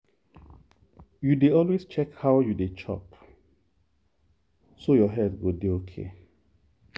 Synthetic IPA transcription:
judeɔlwest͡ʃɛkhaʊjudet͡ʃʰɔ̰p | sojɔɦɛdɡodeokʰḛ

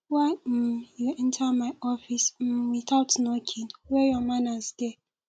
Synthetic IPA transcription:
am̩jun̩tʰamajɔfism̩mitawtnokʰinwejɔmanazde

